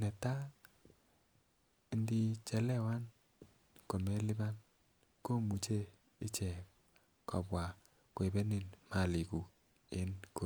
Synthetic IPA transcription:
nɛ˨ta˦ | i˨ndi˦t͡ʃɛ˨lɛ˦wa˦n | ko˨mɛ˦lɪ˦ba˦n | ko˦mu˨t͡ʃe˦ | ɪ˦t͡ʃɛ˨ | kɔ̰˨bwa˨ | kwe˨bɛ˦ni˨nma˨li˨ku˨ | e˦nko˨

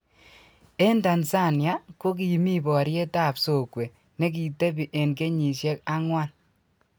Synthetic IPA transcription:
e˦nda˨nsa˦˨nja˦ko˦k̬i˨mi˦bɔ˨ɾje˦ta˦˨pso˨kwe˨ | ne˦k̬i˨te˦bi˨ʔe˨nke˦ɲi˨ʃjɛ˦ka˦ŋwa˦n

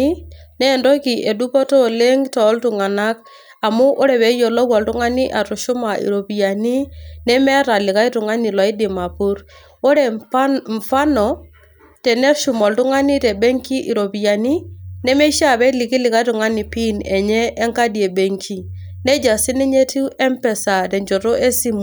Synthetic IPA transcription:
i˦nɛ˦˨ndo˦ki˨ʔe˨du˦pɔ˦to˦le˦ŋtɔ˨˦ltʊ˨ŋa˨na˦k | a˨mʊ˦ʔo˦ɾɛ˨βɛ˨˦jo˨lɔ˦kwɔ˨ltu˦ŋa˦ni˦ʔa˨tu˨ʃu˦ma˨ʔḭ˨ɾo˨pi˨ja˨ni˦nɛ˦mɛ˦ɾa˨lɪ˨ka˦i˦tʊ˨ŋa˦ni˨lɔ˨i˦dɪ˨ma˨pu˦ɾ | o˦ɾɛ˨ɱ˨fa˦nɔ˨ | tɛ˨nɛ˦ʃu˨mɔ˨ltu˦ŋa˦ni˦tɛ˨be˦ŋki˦ʔi˨ɾo˨bi˨ja˨ni˦nɛ˦me˦ʃa˦˨bɛ˦li˨ki˦lɪ˨ka˦i˦tʊ˨ŋa˦ni˨pi˦nɛ˨ɲɛ˦ʔːŋka˦di˨e˨be˨ŋkʰi˦ | nɛ˦d͡ʒa˨si˦nɛ˦ɲe˦tu˦ɛ˦mpɛ˨sa˨tɛ˨ɲd͡ʒo˨ɾo˦ʔe˦si˦mu˨

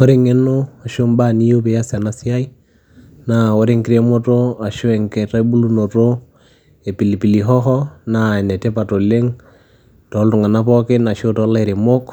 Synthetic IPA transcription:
wɔ˦ɾeŋe˦no˦a˨ʃo˦mba˦ni˦jo˦pe˨ja˦sa˨na˦sɪ˦a˦i˦ | nawɔ˦ɾe˦ŋkɪɾe˦mo˦to˦a˨ʃo˦ɛ˨ŋkɛ˨ta˦bu˦lu˦no˨to˦ | e˨pi˨li˨pi˨li˨ɦɔ˦ɦɔ˦na˨ɛ˨nɛ˨te˦pa˨to˨le˦ŋ | tɔ˨˦ltʊ˨ŋa˨na˦pɔ˦kɪ˦na˨ʃo˦tɔ˦la˦iɾe˨mo˦k

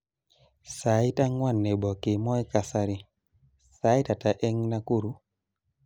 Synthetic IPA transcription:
sa˨i˦ta˦ŋwa˦˨nːɛ˨bɔ˨ki˨mɔ˦i˦ka˨sa˧ɾi˨ | sa˨˦i˦ta˨ta˨ʔɛ˦ŋna˦ku˦ɾu˦

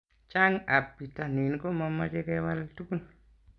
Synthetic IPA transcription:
t͡ʃa˦ŋa˨pːi˨ta˨ni˨nko˦ma˧ma˧t͡ʃe˦ke˦wa˦ltu˦ku˦n

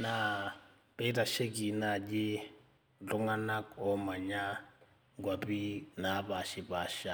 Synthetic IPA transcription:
na˨ | b̥ɛ˦da˨ʃe˦ki˨na˨d͡ʒɪ˦ | t͡ɬʊ˦ŋa˦na˦kɔ˦ma˨ɲa˦ | ɡwa˨bi˦na˨˦ba˨ʃɪ˨ba˨ʃa˨

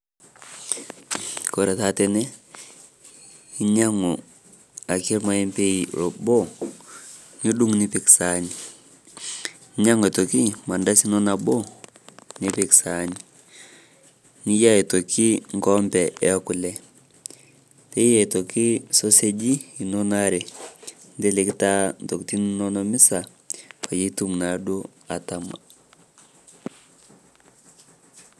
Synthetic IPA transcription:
ko˨ɾɛ˨ta˨tɛ˨nɛ˦ | i˦ɲa˦ŋo˨ | a˨ki˦ɾma˦i˦mpe˦i˨ɾo̰˨bo˦ | ni˦du˦ŋni˦pɪ˨ksa˨ɲi˨ | i˦ɲa˦ŋ˨e˨to˨ki˦ma˨nda˦si˦nɔ˦na˨bo˦ | nɪ˦pɪ˨ksa˨ɲi˨ | ni˦ja˦e˨to˨kʰi˦ŋɡɔ˦mbɛ˨ʔɛ˦a˦ku˨lɛ˨ | te˦jɛ˨to˨ki˦so˦se˦d͡ʒi˦i˨nɔ˦na˦ɾe˨ | nde˦le˦kta˦n˨tɔ˨kti˦nnɔ˦nɔ˦mi˦sa˨ | pa˨ji˦tu˦ŋna˨du˦ | a˨ta˨ma̰˨

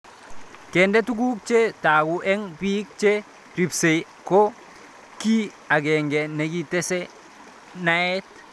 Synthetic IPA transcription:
ke˨nde˦tu˦ɡ̬u˦k̚t͡ʃe˦taː˨ɡu˨ʔɛ˦ŋbiː˦k̚t͡ʃe˦ | ɾi˨pse˨j | ko˦ | ki˦ | a˨ɡɛ˨ŋɡɛ˨ne˨ɡi˦tɛ˦sɛ˦ | na˦e˦t

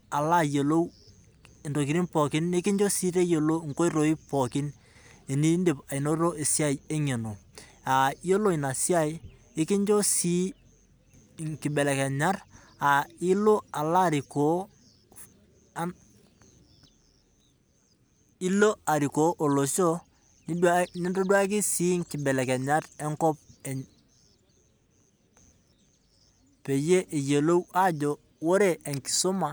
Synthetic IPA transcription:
a˨la˦je˨lo˦˨ | ndo˨k̬i˨ɾi˦npɔ˨kɪ˦ne˦kɪ˦ɲd͡ʒo˦si˦ɾe˦jo˨lo˦ŋ̩˨ko˦i˦ɾo˨˦i˦pɔ˨kɪ˦n | e˨ni˦nde˨pa˨i˨no˦ɾo˦e˨sja˦je˦ɲe˨no˨ | a˨jo˦lo˦i˨na˨si˦a˦˨j | e˦kɪ˦ɲd͡ʒo˦si˦ | ŋkɪ˨bɛ˨lɛ˨kɛ˨ɲa˦r | a˨i˦lo˦a˨la˦˨ɾɪ˨ko˨˦ | n | i˦lo˦a˨ɾi˨ko˦ʔo˨lo˨so˦ | ni˦da˦ni˦to˦dwa˦k̬i˦si˦ŋki˨be˨le˨ke˨ɲa˦ɾe˦ŋkɔ˦p̚e˨ | pe˨je˦ʔe˨je˨lo˦wa˦d͡ʒo˨ | wo˦ɾe˦ʔe˨ŋki̥˨so˦ma˨

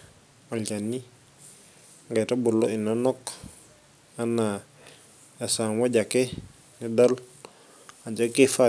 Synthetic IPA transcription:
a˨lɟa˨nːi˦ | ŋɡa˨ta˦bu˨lːo˦i˨na˦nɔ˦k | a˦na˨ | ja˨sa˨nwa˦ɟa˨ke˦ | ni˦da˦l | a˨d͡ʒa˦ke˦fa˦

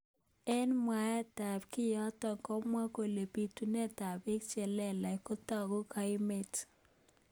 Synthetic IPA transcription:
ɛ˦nmwa˨˦ɛ˦ta˨b̚kɪ˦jɔ˦tɔ˨ŋkɔ˦mwa˦ko˨le˨pi˨tu˦nɛ˦ta˨be˦kt͡ʃɛ˨lɛ˦la˨ɪ˨ko˦tɔ˦˨ɡɔ˦ka˨˦ɪ˦me˨t

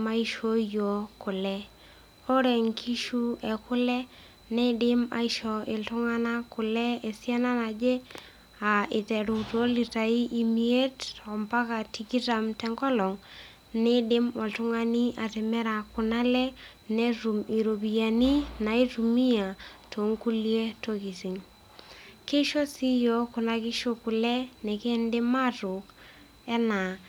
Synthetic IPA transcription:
ma˦iʃo˦jɔ˨kʊ˨lɛ˦ | ɔ˦ɾɛ˨ŋkʰi˦ʃu˦ɛ˨kʊ˦lɛ˦ | nɛ˦dɪ˦ma̰˨i˦ʃɔ˨ɪ˨ltʊ˦ŋa˦na˦kʊ˨lɛ˦e˨sja˦na˦na˨d͡ʒɛ˦ | a˨ʔɪ˨tɛ˨ɾu˨to˦li˨ta˨i˦ʔi˨mie˦tːɔ˨mba˦ka˨ti˨ki˦ta˨mtɛ˨ŋɡɔ˦lɔ˨ŋ | nɛ˦dɪ˦mwɔ˨ltʊ˦ŋa˦ni˦a˨tɛ˨mɛ˦ɾa˨kʊ˨na˦lɛ˦ | nɛtu˨mi˨ɾo˨bi˨ja˨ni˦na˨i˦tu˨mi˦ja˨to˨ŋku˦lje˦toki˨sɪ˨ŋ | ke˦ʃɔ˦si˦jɔ˦kʊ˨na˨kɪ˦ʃo˨ku˨lɛ˦nɛ˨ke˦ndɪ˦ma˦tʊ˨k | ɛ˦na˨

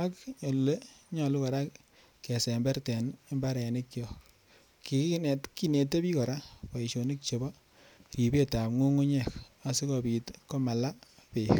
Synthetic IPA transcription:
a˦kɲo˨lu˨le˦ɲɔ˨lu˦kɔ˨ɾa˦k | kːɛ˨se˨mbɛ˦ɾtɛ˨ne˦mba˦ɾɛ˨ni˦kjɔ˨ | ki˨ki˦ne˨tki˦ne˨te˦pi˦kɔ˨ɾa˦pɔ˨i˨ʃo˨ni˦k̚t͡ʃe˨bɔ˦ | ri˨be˦ta˨pŋu˦ŋu˦ɲɛ˦˨ka˨si˦kɔ˨bi˨tkɔ˦ma˨la˦pe˨k

